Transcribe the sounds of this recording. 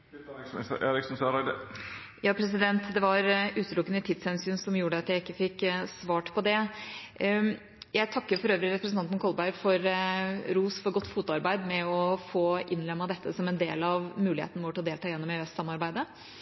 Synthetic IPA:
ʔḛːɾɪksnsøɾɑɪd̪ə | jɑːpʰɾɛs̬ɪd̪ɛnt̪d̪ɛʋɑɾʉːt̪əlʊkːənət̪ʰɪt̪shɛnsyːnsɔmjuːɖəɑt̪jæɪɪkːəfɪkːsʋɑːʈpʰɔd̪ɛ | jæɪt̪ʰɑkːəɾfɔɾøːʋɾɪɾɛpɾəsn̩ɑnt̪nkʰɔlbæɪɾfɔɾɾuːsfɔɾɡɔt̪ːfuːt̪ʊɑɾbæɪd̪mɛɔfoːʔɪnlɛmːɑd̪ɛt̪ʰːəsɔmɛnd̪ḛːlɑʋmʉːɪḛːt̪nəʋoːʈɪlɔd̪eːlt̪ʰɑːjɛnːɔmɛɛst̪sɑmːɑɾbæɪd̪ə

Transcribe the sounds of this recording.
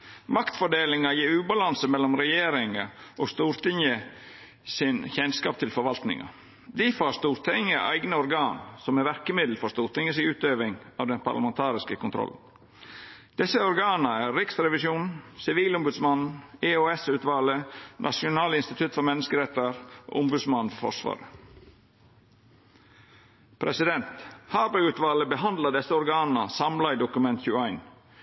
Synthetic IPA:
mɑkt̪fɔɖeːlɪŋɑjiːɾʉːbɑlɑnsəmɛlːɔmɾɛjeːɾɪŋəʔɔːst̪uːɾt̪ʰɪŋə | sɪnçɛnskɑːp̚t̪ʰɪlfɔɾʋɑlt̪nɪ̰ŋɑ̰ | d̪ifɑːɾst̪uːɾt̪ʰɪŋəʔæ̰ɪɡnəɔɾɡɑːnsɔmæɾʋæɾkəmɪd̪l̩fɔɾst̪uːɾt̪ɪŋəsɪʉːt̪øːʋɪŋɑːʋd̪ɛnpʰɑ̰ɾlɑmɛnt̪ʰɑːɾɪskəkʰʊnt̪ʰɾɔ̰ln̩ | d̪̥ɛsəɔɾɡɑːnəæːɾɾɪksɾɛʋɪsjuːnsɪʋiːlʊmbʉd̪smɑneoːɛsʉːt̪ʋɑːlənʔɑ̰ʂʊnɑːlɪnst̪ɪt̪ʰʉt̪ːfɔɾmɛnːəskəɾɛt̪ːəɾo̰ːʊmbʉd̪smɑnn̩fɔɾfɔ̰ʂʋɑ̰ːɾə | pʰɾɛsɪd̪ɛnt̪hɑːbɛʉːt̪ʋɑːləbəɦɑnd̪lɑd̪ɛsːəɔɾɡɑːnəsɑmlɑɪd̪ʊkʉmɛnt̪çʉːæɪn

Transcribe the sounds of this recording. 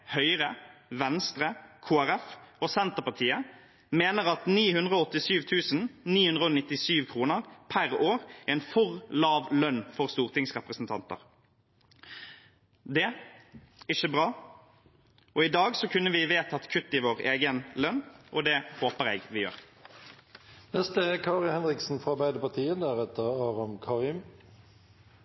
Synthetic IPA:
hœʏʁəʋɛnst̪ʁəkʰuːæʁɛfoːsɛnt̪əʁpɑt̪ʰiːə | meːnəʁɑt̪niːhʉnd̪ʁəɔɔt̪ːɪsyːʋt̪ʰʉːsnniːhʉnd̪ʁəɔnɪt̪ːɪsyːʋkʰʁuːnəʁpʰæʁoːʁɛnfɔʁlɑːʋlœnfɔʁst̪uːʁt̪ʰɪŋsʁɛpʁəsnt̪ʰɑ̰nt̪ə̰ʁ | d̪ɛ | ɪçəbʁɑː | ɔɪd̪ɑːɡsɔkʰʉnːəʋɪʋeːt̪ɑt̪kʰʉt̪ːɪʋoːʁeːɡənlœnːʔɔd̪ɛhoːpəʁɛːɡʋɪjø̰ːʁ | nɛst̪əkʰɑːʁɪhɛnʁɪksn̩fʁɑbæɪd̪əpɑʁt̪ʰiːənd̪æʁɛt̪əʁɑːʁɑmkʰɑːʁiːm

